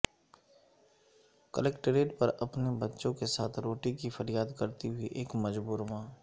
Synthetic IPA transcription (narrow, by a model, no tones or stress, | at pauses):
kəleːkʈəɾeːʈpɐɾɐpnebɐtːʃõkesaːt̪ʰɾoːʈikifəɾjaːd̪kɐɾt̪iɦʊiʔeːkmɐd͡ʒbuːɾmãː